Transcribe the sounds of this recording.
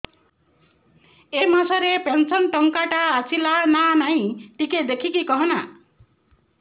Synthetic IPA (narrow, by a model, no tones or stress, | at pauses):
emasɔɾepensɔnʈɔŋkaʈaːsʰilananaĩʈiked̪ekʰikikɔɦɔna